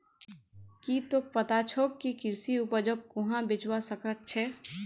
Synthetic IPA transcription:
kit̪opət̪at͡ʃʰokkːikɪɾsiupəd͡ʒokkʊ̃ɦãbɪt͡ʃwasəkət̪̚t͡ʃʰɛː

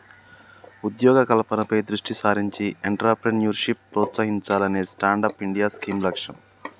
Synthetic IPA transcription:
ud̪jɔːɡɐkɐlɐpɐnɐpɐjd̪ɾuʂʈisaːɾiɲt͡ʃieɳʈɾaːɾpɾenjuːɾʂipːɾɔːt̪saːɦiɲt͡ʃaːlɐneːsʈaːɳɖaːpiɳɖijaːskiːmlɐkʂɐ̰m

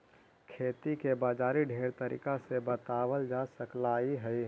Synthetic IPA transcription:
kʰeːt̪ikebaːd͡ʒaːɾiɖʱeːɾt̪əɾḭːkasebət̪aːwəld͡ʒaːsəklaːiɦɛi

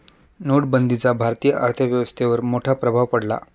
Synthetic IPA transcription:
noɽbənd̪it͡sabʱaɾt̪ijəʔaɾt̪ʰəʋjəʋəst̪ʰeʋəɾmoʈʰapɾəbʱaʋpəɽla̰

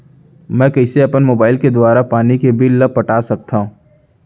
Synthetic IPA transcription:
mɛ̃ːkɐɪseɐpənmoːbaːɪlked̪waːɾapaːnikebʱilːɐb̚pɐʈaːsɐk̚t̪aɦũː

